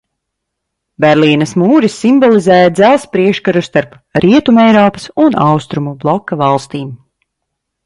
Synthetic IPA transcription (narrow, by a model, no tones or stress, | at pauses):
bʲɛɾliːnɐsmuːɾisːimbɔlˠizɛːjad̪zælˠspɾiɛkʃkaɾust̪aɾp | ɾʔiɛt̪umɛjɾɔːpɐ̥sunʔawst̪ɾumublˠɔkːavɑlˠst̪iːm